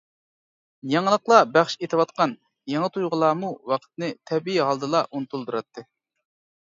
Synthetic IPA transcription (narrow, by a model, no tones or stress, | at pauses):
jɑŋəlˠəqlˠɑbæχʃet̪ʰɨwɑt̪̚qɑn | jɑŋɨt̪ʰujʁəlˠɑːmuwɑqʰə̥t̪nɨt̪ʰɛbiiɦɑlˠd̪ɨlˠɑʔunɨt̪ulˠd̪uɾɑt̪ːɨ